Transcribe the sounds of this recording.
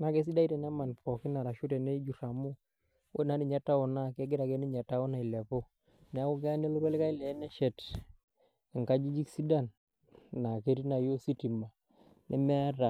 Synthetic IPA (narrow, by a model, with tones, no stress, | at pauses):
na˨˦ɡɛ˦s̬i˦da˦i˦tɛ˨na˦ma˨npɔ˨ki˦na˨ɾa˨ʃu˦tɛ˨nɛ˦i˦d͡ʒu˨ɾa˨mu˦ | we˦˨na˨˦ni˨ɲa˦ta˦ɔ˨na˦˨kɛ˦ɡɪ˦ɾa˨ɡɛ˦ni˦ɲa˨ta˦ɔ˦na˨i˨lɛ˨po˦ | nɛ˨a˦ku˦ɡ̬ɛ˦a˦nɛ˦lu˦ɾɛ˦lka˦i˦lɛ˨˦nɛ˦ʃɛ˨t | ɛ˨ŋka˦d͡ʒi˦d͡ʒi˦ksi˦da˦˨nː | a˨ke˦ɾi˦na˨jo˦si˦ti˨ma˨ | nʔɛ̰˦mɛ˦a˦ɾa˨